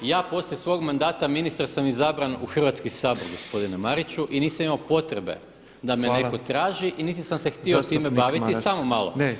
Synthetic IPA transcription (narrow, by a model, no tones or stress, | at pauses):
jaːpo̞sljesʋo̞ːɡmand̪aːt̪aminist̪aɾsamizabɾanuxr̩ʋat̪skisaːbo̞ɾɡo̞spo̞d̪inemaɾit͡ɕuʔiniːsamimaopo̞t̪ɾebe̞̰ | d̪amene̞ko̞t̪ɾaːʒiʔinit̪isamse̞xt̪iot̪iːmebaʋit̪issamomalˠo̰